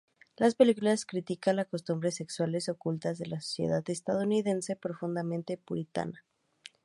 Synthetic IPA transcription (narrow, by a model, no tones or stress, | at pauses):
laspe̞likulaskɾit̪ikanlako̞st̪umbɾese̞kswale̞so̞kult̪azðe̞laso̥sjḛðaðest̪að̞ouniðe̞nse̞pɾo̞fund̪amẽnt̪epuɾit̪a̰na